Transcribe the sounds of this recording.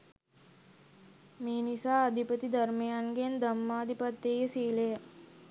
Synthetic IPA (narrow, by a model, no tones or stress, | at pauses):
meːnisaːd̪ʱipət̪id̪ɐɾmejaŋɡend̪əmːaːd̪ʱipat̪ːejəsiːlejə